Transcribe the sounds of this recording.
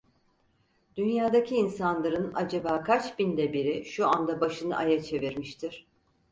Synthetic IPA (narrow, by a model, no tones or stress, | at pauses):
d̪̥ynjaːd̪acʰiːnsanlˠaɾɯna̰d͡ʒabaːkʰat͡ʃbind̪ɛbiɾiʃuand̪abaʃɯnɯ̰ʔa̰jat͡ʃʰe̞viɾmiʃt̪ʰiɾ̥